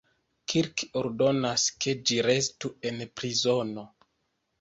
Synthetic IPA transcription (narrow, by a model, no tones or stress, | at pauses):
kʰiɾkoɾdo̞naske̞d͡ʒiɾe̞s̬tue̞npɾizo̞no̞